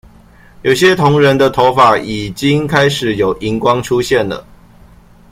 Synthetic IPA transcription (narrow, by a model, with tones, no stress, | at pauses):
jo˨˩ʊɕjɛ˦t̪ʰʊ˨˦ŋɻə˧˦nd̪ə˧t̪ʰo˧˥ʊfa˨˩˦ʔi˨˩t͡ɕi˦˥ŋkʰa˦ɪʂɻ̩˨˦jo˨˩ʊʔi˨˦ŋkwɑ˥ŋʈ͡ʂʰu˦ɕjɛ˥˩nlə̰˨˩